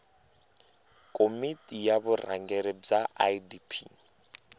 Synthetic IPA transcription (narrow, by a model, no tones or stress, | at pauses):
kʼomitʼijaβʊra̰ŋɡɛɾib͡ʐaʔadipʰi